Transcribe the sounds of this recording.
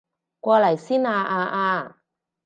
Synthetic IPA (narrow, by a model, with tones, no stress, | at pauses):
kʷɔː˧lɐ˨˩jsiː˥naː˧ʔaː˧ʔaː˧